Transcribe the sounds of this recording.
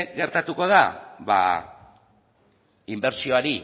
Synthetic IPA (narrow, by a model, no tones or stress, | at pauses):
ɣe̞ɾt̪at̪uko̞ð̞aβa̰ | imbe̞ɾsio̞aɾi